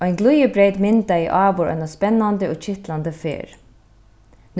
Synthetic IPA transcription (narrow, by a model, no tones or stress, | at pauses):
ɔjnɡlˠujəbɾejt̪mɪnt̪aiʔɑːʋʊɾɔ̰jnɔspɛnːand̪ɪɔːt͡ʃʰɪht̪land̪əfḛːɹ | n